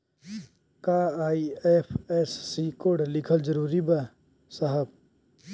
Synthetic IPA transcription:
kaaːiepʰesːikoɖlɪkʰəld͡ʒəɾuːɾiba | səɦəb̚

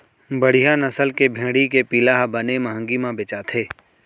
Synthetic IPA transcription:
bəɽ̤ijanəsəlkebʱẽːɽikepiːlaɦbənemɐɦə̃ŋɡimãbɪt͡ʃat̪ʰeː

